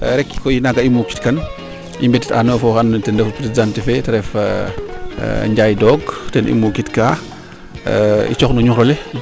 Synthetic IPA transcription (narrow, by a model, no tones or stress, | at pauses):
ɾɛkːi̥kɔjinaɡaimuki̥tkɐn | ʔimbɛtitanɔːfɔxantɛndɛfupɾesdantifɛtɐɾɛf | ɲɟajdɔɡtɛnʔḭmukitka | ḭt͡ʃɔxnuɲuɾɔlɛ